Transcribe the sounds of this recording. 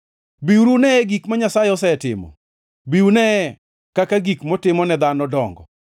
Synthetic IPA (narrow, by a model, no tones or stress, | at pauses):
biwuɾunɛɛɡikmaɲasajɛɔsɛtɪ̰mɔ̰ | biunɛ | kakaɡikmɔtɪmɔnɛd̪anɔdɔŋɡɔ̰